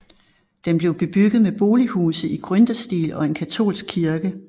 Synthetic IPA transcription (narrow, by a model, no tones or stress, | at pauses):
d̥enb̥le̝ʊb̥e̝b̥yɡ̥ð̞̩ˠmeb̥o̝ːlihuːsð̩ˠiɡ̥ʁœnd̥ɐsd̥ḭːlɒ̽e̝nkʰæt͡sʰo̝̰ːlsɡ̥̚kʰːiɐɡ̥ə